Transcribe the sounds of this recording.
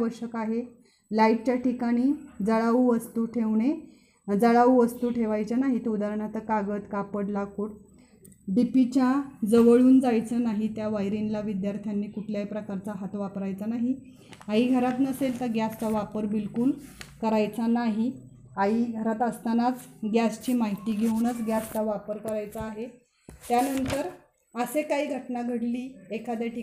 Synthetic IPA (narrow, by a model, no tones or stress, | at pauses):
ʋəɾɕəkaɦe | laiʈ̚t͡ɕjaʈikaɽ̃iːd͡zəɭauʋəst̪uːʈʰeʋɳe | d͡zəɭaʋuʋəst̪uːʈʰeʋajt͡ɕjanaɦit̪eud̪aɾəɳat̪əkaɡət̪kapəɽlakuːʈ | b̪ipit͡ɕjad͡zəʋəɭuːnd͡zajt͡sənaɦit̪jaʋajɾinlaʋid̪jaɾt̪ʰjanːiːkuʈʰljaipɾəkaɾt͡saɦat̪ʋapɾajt͡sanaɦi | aɦiɡʱəɾat̪nəselt̪əɾɡjast͡saʋapəɾbilkuːlkəɾajt͡sanaɦi | aiɡʱəɾat̪əst̪anat͡sɡjast͡ɕiːmaɦit̪iːɡʱeunət͡sɡjast̪aʋapəɾkəɾajt͡saːɦe | t̪janənt̪əɾ | əsekaɦiːɡʱəʈnaɡʱəɽliːekad̪aʈi